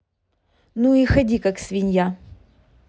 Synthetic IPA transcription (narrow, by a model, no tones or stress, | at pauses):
nuixɐdʲikaksvʲɪnʲja